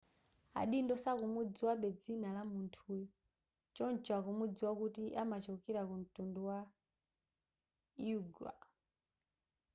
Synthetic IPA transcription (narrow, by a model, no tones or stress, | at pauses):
a̰ɗindɔsakumud͡ziwaɓɛd͡zinalamuntʰu | t͡ʃɔnt͡ʃwakumud͡ziwakutiʔamat͡ʃɔkiɾakun̩tunduwa | uɡwa̰